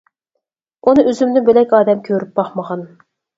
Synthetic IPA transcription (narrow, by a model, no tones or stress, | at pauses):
unɨʔøzymd̪ɪbelɛkʲɑːd̪ɛmkʲʰøɾyp̚bɑχməʁɑn